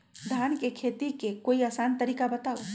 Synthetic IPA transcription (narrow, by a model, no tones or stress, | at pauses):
d̪ʱankekʰet̪ikekoiasant̪əɾikabət̪aw